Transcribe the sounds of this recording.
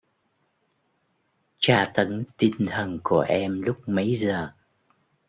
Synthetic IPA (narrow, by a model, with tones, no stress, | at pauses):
t͡ɕaː˧˩t̪ə˨˦nt̪i˧ŋt̪ʰə˨˩nku˧˩əʔɛ˧mlʊ˦˥k͡p̚mə˨˦jzəː˨˩